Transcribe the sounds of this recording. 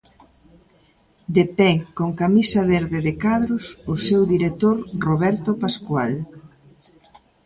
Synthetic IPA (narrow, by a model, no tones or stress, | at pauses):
d̪epɛkoŋkamisɐβeɾðɪðɪkaðɾʊsʊsewðiɾet̪oɾroβɛɾt̪opaskwal